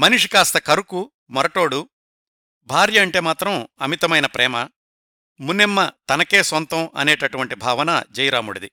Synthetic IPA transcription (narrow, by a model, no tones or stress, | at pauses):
mɐnuʂi̥kaːst̪ɐkɐɾuku | mɐɾɐʈo̞ːɽu | bʱaːɾjɐːɳʈe̞ːmaːt̪ɾɐmɐmit̪ɐmɐjnɐpɾɛːmɐ | munːemːɐt̪ɐnɐke̞ːsʋɐnt̪ɐmɐ̰neːʈɐʈuʋɐɳʈibʱaːʋɐnɐd͡ʒɐjɾaːmuɽɐd̪i